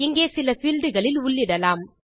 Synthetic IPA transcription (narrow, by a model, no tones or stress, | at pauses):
ɪŋɡeːsɪlɐfɪːlɖɯɣɐɭɪlʊɭːɪɽɐlaːm